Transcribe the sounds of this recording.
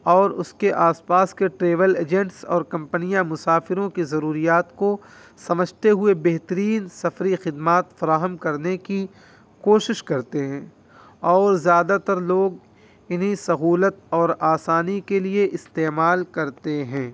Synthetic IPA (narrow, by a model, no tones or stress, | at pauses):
ɔːɾʊ̰skeʔaːspaːskeʈɾeːʋəleːd͡ʒɛ̃ɳʈsɔːɾkɐ̃mpənijãmʊsaːfɪɾõkizɐɾuːɾijaːt̪ko | sɐməd͡ʒʱt̪eɦʊebɛɦt̪əɾiːnsɐfɾixɪd̪maːt̪fɐɾaːɦəmkɐɾneki | koːʃɪʃkɐɾt̪eɦɛ̃ː | ɔːɾzjaːd̪at̪ɐɾloːɡ | ɪnɦisɐɦuːlət̪ɔːɾaːsaːnikelieʔɪst̪eːmaːlkɐɾt̪eɦɛ̃ː